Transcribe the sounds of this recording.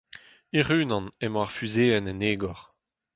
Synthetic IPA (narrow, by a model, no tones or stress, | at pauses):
iʁyːnɑ̃nɛmɔ̃aʁfyzeːɛnɛneːɡɔʁ